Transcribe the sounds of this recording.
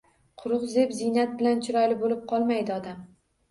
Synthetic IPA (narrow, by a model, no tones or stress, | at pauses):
qʰʊɾʊqzepzɪjnat̪̚bɪlant͡ʃʰɪɾɒjlɪbolɪp̚qʰɒlˠmajd̪ɪɒd̪am